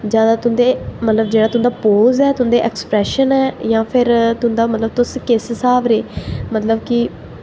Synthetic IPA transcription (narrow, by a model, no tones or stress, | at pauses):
d͡ʒjaːd̪aːt̪ʊnd̪eːmət̪ləbd͡ʒeːɽaːt̪ʊnd̪aːpoːzɛːt̪ʊɦnd̪eːʔɛkspɾɛːʃənɛːjãːpʰɪɾt̪ʊ̃nd̪aːmət̪ləb̚t̪ʊskɪssaːʋɾeːmət̪ləbkɪ